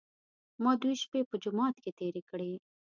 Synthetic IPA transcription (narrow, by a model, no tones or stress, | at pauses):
mɑd̪wujʃpepəd͡ʒʊmɑt̪ket̪eɾekəɽe